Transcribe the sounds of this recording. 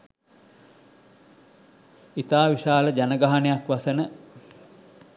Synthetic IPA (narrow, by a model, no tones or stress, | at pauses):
it̪aːʋiʃaːləd͡ʒanəɡaɦanejakʋasənə